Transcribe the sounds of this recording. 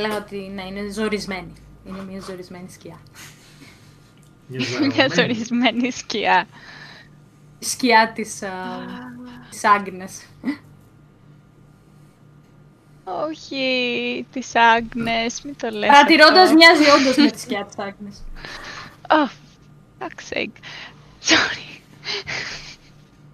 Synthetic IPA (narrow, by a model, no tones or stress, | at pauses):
eleɣɐot̪inɐine̞zoɾizme̞niinemiɐzo̞ɾizme̞nisciɐ | inemɲɐzo̞ɾizme̞nisciɐ | isciɐt̪is | sɐŋɡnes | oçit̪isɐɡnesmit̪oleɐɾɐt̪iɾond̪ɐzmɲɐziond̪ɐzmet̪i̥sciɐt̪i̥sɐŋɡnes | o | ɐksḛk | soɾi